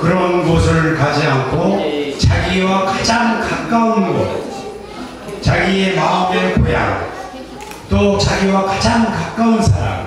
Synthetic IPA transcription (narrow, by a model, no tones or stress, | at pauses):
kɯɾʌnɡʌs̬ʰɯɾɯɭkad͡ʑiaŋkʰot͡ɕaɡiwakad͡ʑaŋkakk̚k͈aunɡʌ̰t̚ | t͡ɕaɡiemaɯmepoja̰ŋ | t͈ot͡ɕaɡiwakad͡ʑaŋkak̚k͈aunsʰaɾa̰m